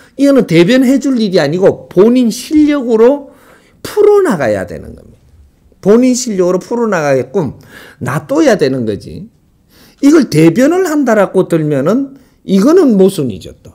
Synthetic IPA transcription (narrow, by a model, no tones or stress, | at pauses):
iʌnɯnte̞bjʌnɦe̞d͡ʑuʎːiɡiaɲiɡopoɲinɕʰiʎːʌɡɯɾo | pʰuɾonaɡa̰ja̰dwe̞̰nɯ̰nɡʌ̰mida | poɲinɕʰiʎːʌɡɯɾopʰuɾonaɡaɡet̚k͈omnat͈ojadwe̞nɯnɡʌ̰d͡ʑḭ | iɡʌɭtebjʌnɯɭhandaɾak͈otɯɭmjʌnɯn | iɡʌnɯnmosʰunḭd͡ʑʌ̰t̚t͈o